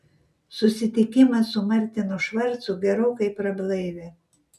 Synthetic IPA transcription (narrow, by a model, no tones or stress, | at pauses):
sʊsʲɪt̪ʲɪkʲɪmɐsʊmɐɾʲt̪ʲɪnʊʃʋɐɾt̪sʊɡʲɛɾoːkɐɪpɾɐblˠɐɪʋʲe